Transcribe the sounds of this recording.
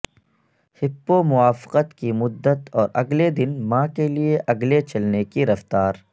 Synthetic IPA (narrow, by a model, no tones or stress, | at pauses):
hɪpːomʊwaːfɪ̥qət̪kimʊd̪ːət̪ɔːɾʔɐɡled̪ɪnmãːkelieʔɐɡlet͡ʃɐlnekiɾɐft̪aːɾ